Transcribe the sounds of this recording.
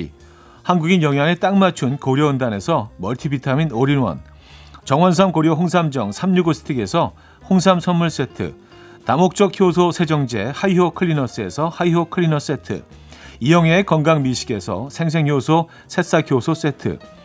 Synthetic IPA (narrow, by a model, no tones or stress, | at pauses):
hanɡuɡinjʌŋɦjaŋet͈aŋmat͡ɕʰunkoɾjʌɯndane̞sʰʌmʌɭtʰibitʰaminoɾinwʌ̰n | t͡ɕʌŋwʌns̬ʰamkoɾjoɦoŋsʰamd͡ʑʌŋsʰamɲuɡosʰɯ̥tʰɯɡe̞sʰʌ | hoŋs̬ʰamsʰʌnmːuɭs͈e̞tʰɯ̰ | tamok̚t͡ɕ͈ʌk̚çjosʰosʰe̞d͡ʑʌŋd͡ʑe̞haiɦokʰɯɭːinʌs͈ɯe̞sʰʌhaiɦokʰɯɭːinʌs͈e̞tʰɯ̰ | ijʌŋɦeekʌŋɡaŋmiɕʰi̥ɡe̞sʰʌ̰sʰe̞ŋs̬ʰe̞ŋjosʰo | sʰe̞s͈akʰjosʰos͈e̞tʰɯ̰